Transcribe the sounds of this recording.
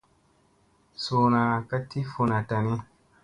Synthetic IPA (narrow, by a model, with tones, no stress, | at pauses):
soː˨na˨ka˦ti˦fu˨na˨ta˨ni˦